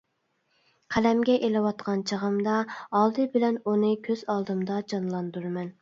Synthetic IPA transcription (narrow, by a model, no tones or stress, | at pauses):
qʰælɛmɡʲɛʔelɪwɑt̪̚qɑnt͡ʃʰəʁəmd̪ɑɑlˠd̪ɨbɪlɛnunɨkʲʰøz̥ɑlˠd̪ɨmd̪ɑd͡ʒɑnlˠɑnd̪uɾmɛn